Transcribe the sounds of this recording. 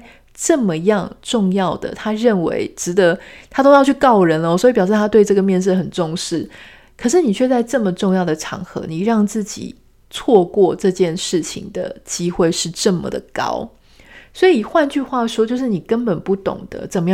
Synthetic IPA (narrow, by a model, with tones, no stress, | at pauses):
ʈ͡ʂə˥˩mə˨jɑ˥˧ŋʈ͡ʂʊ˥˧ŋjɑ˥˩ʊd̪ə̰˩t̪ʰa˥ɻə˥˩nwḛ˧˦˥ɪʈ͡ʂɻ̩˧˥d̪ə˧˦t̪ʰa˥t̪o˥ʊjɑ˥˧t͡ɕʰy˥˧kɑ˥˩ʊɻə˧˦nlə˧˨swɔ˧˥i˨˩pjʊʂ̬ɻ̩˥˩t̪ʰa˥t̪we˥˧ɪʈ͡ʂɤ˥˩ɡə˩mjɛ˥˧nʂ̬ɻ̩˥˩xə˨˩nʈ͡ʂʊ˥˧ŋʂɻ̩˥˩ | kʰɤ˨˩ʂ̬ɻ̩˥˩ni˨˩t͡ɕʰɥɛ˥˧t͡sa˥˧ɪʈ͡ʂɤ˥˩mə˩ʈ͡ʂʊ˥˧ŋjɑ˥˩ʊd̪ə˩ʈ͡ʂʰɑ̰˧˥ŋxɤ̰˧˦ni˨˩ɻɑ˥˧ŋt͡sɹ̩˥˩t͡ɕḭ˨˩ | t͡sʰwɔ˥˧kwɔ˥˧ʈ͡ʂɤ˥˧t͡ɕjɛ˥˧nʂɻ̩˥˩t͡ɕʰḭ˨˩ŋd̪ə̰˩t͡ɕi˥xwe˥˧ɪʂɻ̩˥˧ʈ͡ʂə˥˩mə̰˩d̪ə̰˩kɑ̰˥ʊ | swɔ˧˥i˨˩xwa˥˧nt͡ɕy˥˧xwa˥˩ʂwɔ˥t͡ɕjo˥˧ʊʂ̬ɻ̩˥˩ni˨˩kə˦npə˨˩npu˥˩t̪ʊ̰˨˩ŋd̪̥ə̰˦t͡sə˨˩mə˦j